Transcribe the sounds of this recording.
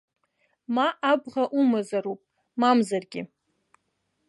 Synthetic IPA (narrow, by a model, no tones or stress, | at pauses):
maʔabʁaʔumazaɾupʼ | mamzarɡʲɪ̰